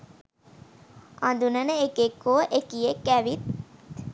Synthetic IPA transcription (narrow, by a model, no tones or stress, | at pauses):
and̪unənəekekːoʔekijekːæʋit̪̚